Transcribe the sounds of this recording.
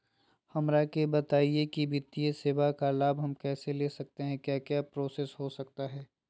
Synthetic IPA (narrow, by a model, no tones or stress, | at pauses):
hɐmɾakebɐt̪aːiekibɪt̪ieseʋakalaːbɦɐmkɛːseleːsɐk̚t̪eɦɛ̃kjaːkjaːpɾoːsesɦosɐk̚t̪aɦɛː